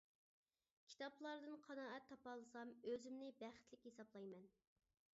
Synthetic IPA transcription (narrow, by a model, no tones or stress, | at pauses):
kʲʰi̥t̪ɑplˠɑɾd̪ɨnqʰɑnɑːɛt̪ʰːɑpɑlˠɨsɑmøzymnɪbæχt̪lɪkʲhesɑblˠɑjmɛn